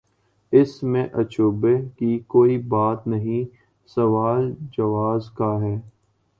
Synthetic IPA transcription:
ɪsmẽʔɐt͡ʃoːbekikoːibaːt̪nɐɦĩ | sɐʋaːld͡ʒɐʋaːzkaɦɛː

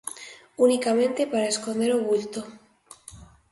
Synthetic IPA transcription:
unikamẽnt̪epaɾaeskond̪eɾoɣult̪o

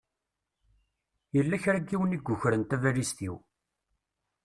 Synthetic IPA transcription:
jəlːæçɾæɡːiwəniɡʷːʊçɾənt̪ævælist̪iw

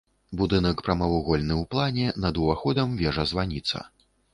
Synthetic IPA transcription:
bud̪ɨnɐkpɾɐmɐvuɣɔlʲnɨwplˠanʲɛnɐd̪uvaxɔd̪ɐmvʲɛʐɐzvanʲit̪sɐ̰

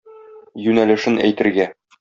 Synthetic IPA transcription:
jʉnælɘ̆ʃɘnæ̰jt̪ɘ̆ɾɡæ

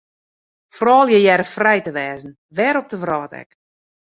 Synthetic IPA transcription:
frɔːlˠjɛjɛɾəfrɛjtəʋɛːzn̩ | ʋɛːɾɔp̚təvrɔːtɛ̰k

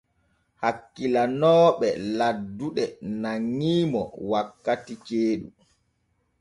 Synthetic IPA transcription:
hakːilanɔːɓɛladːuɗɛnaŋːiːmɔ̰wakːatit͡ʃeːɗṵ

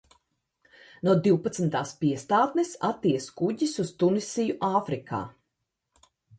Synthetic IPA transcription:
nuɔd̪iwpat̪snt̪aːspiɛst̪aːt̪nɛsat̪ːiɛskuɟisust̪unisijuʔaːfɾikʰa̰ː

